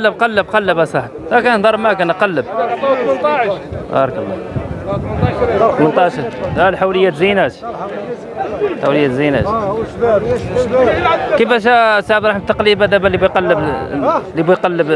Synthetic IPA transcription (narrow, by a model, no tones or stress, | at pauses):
lːəbqɑlːəb̚qɑlːəbasˤɑħt̪fækænd̪ˤɑɾˤbmækænqɑlːəb̪̚nt̪ˤɑbɑ̰ɾˤkəlːɑ̰ | t̪mənt̪ˤɑʃɑɾælħawləjːæt̪zinæt̪ | ħawləjːæt̪zinæ̰ʃ | kifæʃ̬æsaʕbd̪ˤɾˤɑħmt̪ːɑqlibæd̪æbælibujqɑlːəblibujqɑlːəb